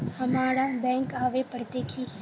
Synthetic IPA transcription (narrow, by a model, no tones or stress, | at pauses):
hɐmaːɽabɛ̃ːŋkaːʋepəɽt̪eːkʰiː